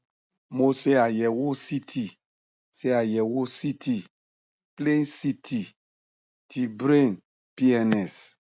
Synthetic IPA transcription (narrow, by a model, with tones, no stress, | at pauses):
mo˦se˦a˨jɛ˨wo˦si˦tʰi˨ | se˦a˨jɛ˨wo˦si˦ti˨ | ple˦nsi˦tʰi˨ | ti˨bɾe˦˨n | pi˦ɛ˦nɛ˨s